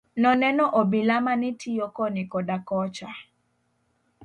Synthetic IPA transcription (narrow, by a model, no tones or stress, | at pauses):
nɔnɛnɔʔɔbɪlamanɪtʰijokɔnɪkɔdakɔt͡ʃa